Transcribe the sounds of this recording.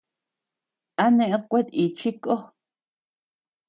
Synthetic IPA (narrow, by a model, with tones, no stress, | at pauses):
a˦nẽ˧ʔkʷe˦t̪i˨t͡ʃi˦ko˦